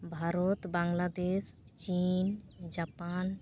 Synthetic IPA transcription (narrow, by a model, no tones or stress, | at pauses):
bʱaɾot̪baŋlad̪es | t͡ɕind͡ʒapan